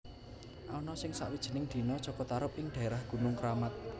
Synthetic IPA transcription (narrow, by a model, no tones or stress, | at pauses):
ʔaɔnɔsɪŋsa̰ʔwid̥ʒ̥ə̤nɪŋd̪̥i̤nɔd̥ʒ̥ɔ̤kɔt̪aɾʊp̚ɪŋɖ̪̥a̤eɾahɡ̥ṳnʊŋkɾamat̪̚